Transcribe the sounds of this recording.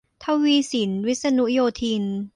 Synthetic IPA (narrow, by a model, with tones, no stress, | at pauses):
t̪ʰa˦˥wwiː˧si˩˦nwi˦˥t̪̚sa˧nu˦˥joː˧t̪ʰi˧n